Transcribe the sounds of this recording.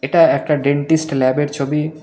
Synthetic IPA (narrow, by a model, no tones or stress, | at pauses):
eʈaɛk̚ʈaɖeɳʈisʈlɛbeɾt͡ɕʰobi